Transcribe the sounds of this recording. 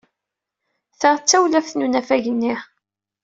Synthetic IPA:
θaʁt͡sːæwlæfθnunæfæʝənːiχ

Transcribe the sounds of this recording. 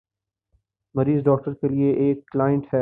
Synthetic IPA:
mɐɾiːzɖɔːk̚ʈəɾkelieʔeːkːlaːɪə̃ɳʈhɛː

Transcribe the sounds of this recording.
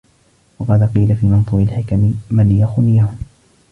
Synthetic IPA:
wɑqɑːd̪aqiːlafiːmɑnt̪ˤuːɾɪlħɪkamɪmanjaxʊnɪjahʊm

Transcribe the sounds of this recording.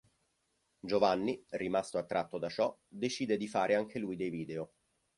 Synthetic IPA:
d͡ʒovanːirimast̪oat̪ːɾat̪ːod̪at͡ʃɔd̪et͡ʃiːd̪ed̪ifaːɾʔeaŋk̟elujd̪ejviːd̪eo

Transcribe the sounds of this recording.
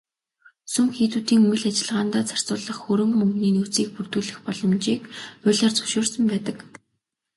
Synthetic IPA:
sɵmxiːt̪uːt̪iːŋumɘ̆ɮat͡ɕɪ̆ɮʁaːnt̪aːt͡sʰḁr̥t͡sʊːɮə̆χxɵɾɵ̆ŋmɵŋɡniːnut͡siːk̚pur̥t̪ŭːɮɘ̆xpɔɮɞ̆mt͡ɕiːkʊɮaːrt͡sɵ̥ʃoːrsə̆mpæːt̪ə̆k

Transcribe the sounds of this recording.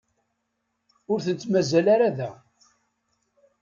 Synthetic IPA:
ʊɾθənt͡s̪mæzælaɾaðæ

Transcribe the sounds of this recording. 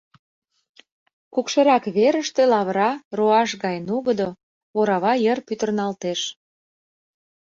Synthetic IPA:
kukʃəɾɑkβeɾəʃt̪elɑβəɾɑroɑʃɣɑjnuɣəd̪o | oɾɑβɑjərpyt̪ərnɑlt̪eʃ

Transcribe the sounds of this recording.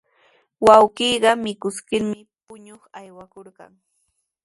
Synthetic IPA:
wawɢiːɢɑmɪkʊskɪɾmɪ | pʊɲoχajwakoɾɢɑ̰ŋ

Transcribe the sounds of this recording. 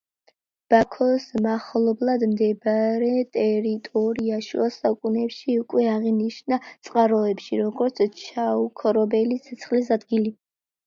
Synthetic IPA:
b̥akʰɔsmaχlˠɔblˠad̪md̪ɛbɾɛt̪ʼɛɾit̪ʼɔɾiaʃṵasaukʼunɛpʃiukʼwɛaʁiniʃnat̪sʼqʼaɾɔɛpʃḭɾɔɡɔɾt̪sʰt͡ʃʰaukʰɔɾɔbɛlit̪sʰɛt̪sʰχlis̬ad̪ɡili

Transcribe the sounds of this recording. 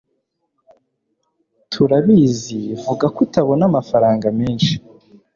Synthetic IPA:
tʰuɾaβizivuɡakutaβo̞namafaɾaːŋɡameːnʃi̥

